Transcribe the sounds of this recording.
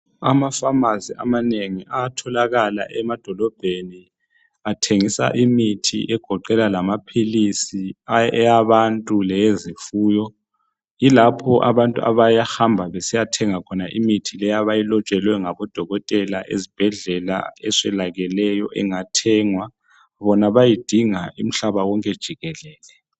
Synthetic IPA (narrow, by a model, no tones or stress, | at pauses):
amafamazia̰maneŋiʔaːtʰɔlaɣala̰ʔɛmad̥ʱɔlɔb̥ʱeni | atʰeŋisa̰ʔimitʰḭʔɛɡ̥ʱɔǃɛlalamapʰilisiɛjaβantʼulɛjezifuːjɔ | ilapʰɔʔa̰βantʼuʔa̰βajaxambʱaβesijatʰɛŋakʰɔnaʔḭmitʰilɛjaβajilɔt͡ʃʼɛlwɛŋaβɔd̥ʱɔɣɔtʼɛlaʔḛzib̥ʱɛɮɛla̰ɛsɛlaɣɛlɛjɔʔɛŋatʰɛːŋwa | βɔnaβajid̥ʱiŋaʔim̩ɬaβawɔŋkʼɛd̥ʒ̥ʱiɣɛlɛːlɛ